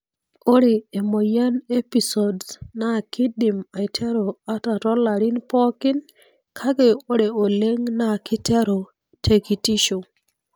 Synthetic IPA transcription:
o˦ɾe˨e˨mo˨ja˦ne˦pi˨sɔ˨dsna˦˨kɪ˦dɪ˨ma˨jtʰɛ˦ɾo˨a˦ta˨tɔ˦la˨ɾɪ˦npɔ˦kɪ˦n | kʰa˦ɡe˦˨o˦ɾe˨o˨le˦ŋna˦kɪ˦tɛ˦ɾo˨ | tʰe˨ki˨ti˦ʃo˨

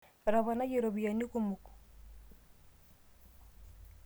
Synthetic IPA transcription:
βa˨ɾa˨βana˦je˨ɾo˨βuja˨ni˦kumu˨ku̥˨

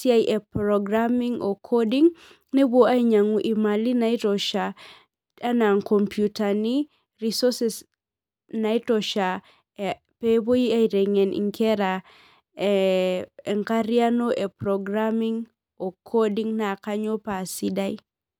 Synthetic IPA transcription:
si˦a˦jʔɛ˨pɾɔɡɾa˦mi˦ŋo˨kʰo˦di˦ŋ | ne˦bo˦a˦i˦ɲa˨ŋu˨ʔi˨ma˨li˦na˦i˦tɔ˨ʃa˨ | a˦na˨ŋkɔ˨mpjuta˨ni˦ | ri˦sɔ˦sɛ˦s | na˨i˦tɔʃa˨ | pe˦bo˦ji˦a˦i˨ɾɛ˨ŋɛ˨nʔḭ˨ŋkɛ˦ɾa˨ | ŋka˦ɾja˦no˦ʔɛ˨pɾɔɡɾa˦mi˦ŋ | o˨kʰo˦di˦ŋna˨ka˦ɲo˦pa˨si˦da˦i˦

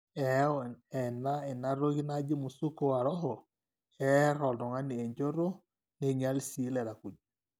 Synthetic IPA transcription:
ɛ˨ɛ˨na˦e˨na˦ɾo˦ɣi˦na˦d͡ʒi˦mu˨su˦ko˦wa˨ɾɔ˦ɦɔ˨ | ɛ˦ɾɔ˨ldɔ˨ŋa˦ni˨e˨ɲd͡ʒo˦ɾo˦ | ne˨ɲa˦lsi˨˦lɛ˨ɾa˨ku˨d͡ʒu˨

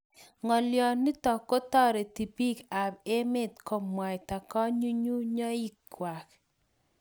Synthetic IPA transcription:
ŋɔ˨ljɔ˨nːɪ˦tɔ˨ko˦tɔ˦ɾe˨ti˨pi˦ka˨be˦mɪ˦˨t̪ko˨mwa˨jta˨kɔ˦ɲu˦ɲu˦ɲɔ˦i˦kwa˨k

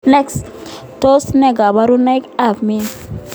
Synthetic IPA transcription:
nɛ˦ks | to˦snɛ˨ɡa˨ba˦ɾu˦na˦ka˨vmi˦

